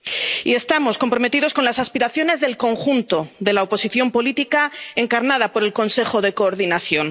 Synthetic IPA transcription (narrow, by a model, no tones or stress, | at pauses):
ie̞st̪amo̞sko̞mpɾo̞met̪iðo̞sko̞nlasaspiɾaθjo̞ne̞zðe̞lko̞ŋxunt̪o̞ðe̞laopo̞siθjo̞mpo̞lit̪ikae̞ŋkaɾnað̞apo̞ɾe̞lko̞nse̞xo̞ðe̞ko̞ːɾðinaθjo̞n